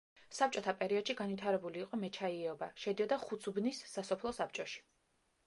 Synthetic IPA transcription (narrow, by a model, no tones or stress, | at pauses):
sap̚t͡ʃʼɔt̪ʰapʼɛɾiɔd̪̥ʃiɡanvit̪ʰaɾɛbuliːqʼɔmɛt͡ʃʰaiɛɔbaʃɛd̪iɔd̪aχut̪sʰubnisːasɔpʰlˠɔsap̚ʰt͡ʃʼɔʃi̥